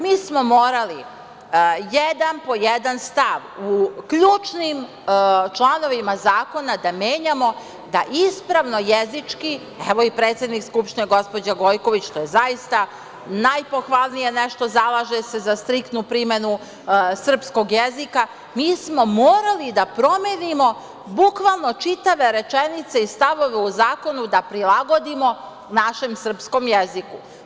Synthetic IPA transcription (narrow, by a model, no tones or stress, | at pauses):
miːsmo̞moːɾali | jed̪anpo̞jed̪anst̪aʋukʎuːt͡ʂnim | t͡ʃlˠano̞ʋimazaːko̞nad̪ameːɲamo̞ | d̪a̰ʔispɾaʋno̞jezit͡ʂki | ɛʋo̞ipɾeːt̪sje̞d̪nikskupʃt̪ineɡo̞spo̞d͡ʑaɡo̞jko̞ʋit͡ɕʃt̪ojezaist̪a | najpo̞xʋalˠnije̞neʃt̪o̞zalˠaʒese̞zast̪ɾikt̪nupɾime̞nu | sr̩psko̞ɡjezika | miːsmo̞moːɾalid̪apɾo̞menimo̞ | bukʋalˠno̞t͡ʃit̪aʋe̞ɾe̞t͡ʃenit̪se̞ist̪aʋo̞ʋe̞uzaːko̞nud̪apɾilˠaɡo̞d̪imo̞ | naʃe̞msr̩psko̞mjeziku